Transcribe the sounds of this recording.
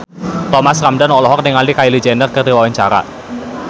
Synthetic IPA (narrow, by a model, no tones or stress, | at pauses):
t̪ɔmaskamdanɔlɔɦɔk̚niŋalikailud͡ʒɛndərkərdiwawaɲt͡ʃa̰ɾa̰